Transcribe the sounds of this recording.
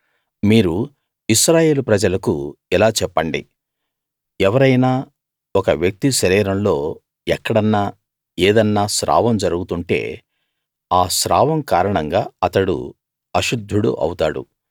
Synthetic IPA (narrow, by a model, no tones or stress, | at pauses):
miːɾu | iʃɾaːje̞ːlupɾɐd͡ʒɐlɐkuilaːt͡ʃɛpːɐɳɖi | ɛʋɐɾɐjnaː | ɔkɐʋjɐk̚t̪iʃɐɾiːɾɐmlo̞ː | ɛkːɐɽɐnːaː | eːd̪ɐnːaːʃɾa̰ːʋɐmd͡ʒɐɾuɡut̪uɳʈe̞̰ː | aːʃɾa̰ːʋɐmkaːɾɐɳɐŋɡaːɐt̪ɐɽṵ | ɐʃud̪ʱːuɽṵʔɐ̰wut̪a̰ːɽṵ